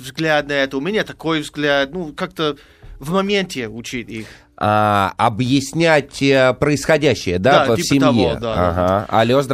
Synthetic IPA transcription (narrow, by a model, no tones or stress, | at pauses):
vzɡlʲad̪̚nɐɛt̪əʊmʲɪnʲat̪ɐkojvzɡlʲæd̪̚nukak̚t̪ə | vmɐmʲent̪ʲɪʊt͡ɕit̪ʲix | aɐbjɪsʲnʲætʲpɾəɪsxɐdʲæɕːɪjəd̪aavʲisʲəɪɐjḛd̪aa̰ɦaɐ̰lʲozd̪